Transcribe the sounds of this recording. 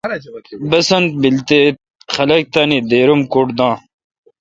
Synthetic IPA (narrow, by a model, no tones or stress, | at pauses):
bɐsɐnt̪̚bilt̪eːt̪̚ | xɐlɐk̚t̪aːnid̪eːɾumkoʈd̪ãː